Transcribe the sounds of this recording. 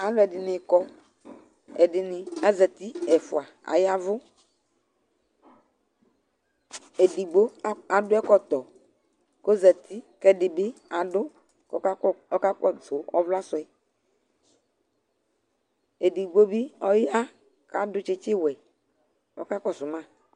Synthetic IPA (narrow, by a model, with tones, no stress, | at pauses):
a˨˦lʊ˦ɛ˨dɪ˨nɪ˨kɔ˦ | ɛ˨dɪ˨nɪ˨a˦zɛ˨t̪i˦ɛ˨fʊ˨a˨a̰˨ja˦vʊ˦ | e˨di˨ɡ͡bo˦a˨dʊ˦ɛ˦kɔ˦t̪ɔ˨ | ko˦zɛ˨t̪ʰi˦kɛ˦dɪ˨bɪ˦a˨dʊ˦ | kɔ˦ɔ˦ka˦kɔ˦zʊ˨ɔ˦vla˦sʊ˨ɛ˨ | e˨di˨ɡ͡bo˦bi˦ɔ˦ja˦ | ka˦dʊ˦t͡ʃɪ˦t͡ʃɪ˦wɛ˨ | ɔ˦ka˦kɔ˦˨sʊ˨mã˦˨